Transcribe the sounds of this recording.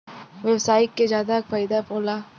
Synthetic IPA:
ʋebsaːɪʈked͡ʒjaːd̪akfaːjd̪apoːlaː

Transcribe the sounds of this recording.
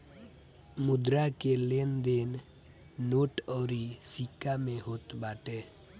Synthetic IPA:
mʊd̪ɾakelend̪en | noːʈɔːɾisikamẽɦoːt̪baːʈe

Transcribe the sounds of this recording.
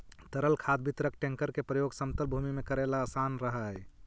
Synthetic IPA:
t̪əɾəlkʰad̪bʱit̪ɾək̚ʈẽŋkəɾkepɾəjoɡsəmt̪əlbʱumimekəɾelaːsanɾəɦəj

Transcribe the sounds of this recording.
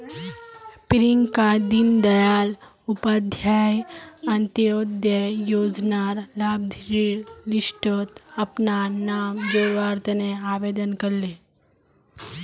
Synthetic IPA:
pɪɾɪŋɡkad̪ind̪ɐjaːl | ʊpad̪ʱjaːjɐ̃nt̪joːd̪jəjoːd͡ʒnaːɾlaːbd̪ʱɾilɪsʈot̪ɐpnanaːmd͡ʒoːʋaːɾt̪əneaːʋeːd̪ənkɐɾleː

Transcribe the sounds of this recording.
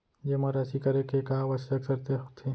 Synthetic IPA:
jemɐɾasikɐɾekekaʋɐsɐksɐɾt̪et̪ʰe

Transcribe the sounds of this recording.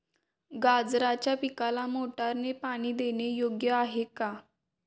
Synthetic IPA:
ɡad͡zɾat͡ɕjapikalamoʈaɾnepaɽ̃iːd̪eɽ̃ejoɡjəaɦeka

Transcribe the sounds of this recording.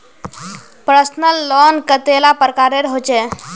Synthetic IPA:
pɾəsnəlːɔnkət̪elapɾəkaɾeɾɦot͡ʃɛ

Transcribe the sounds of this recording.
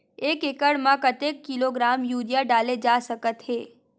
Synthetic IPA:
eːkekəɽmãkət̪ekːiloɡɾaːmjuːɾjaɖaːled͡ʒasəkət̪ɦeː

